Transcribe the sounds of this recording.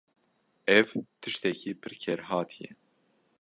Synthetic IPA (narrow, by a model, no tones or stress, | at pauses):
ɛvt̪ʰɨʃt̪ɛkiːpʰɨɾkʰɛɾɦɑːt̪ʰijɛ̰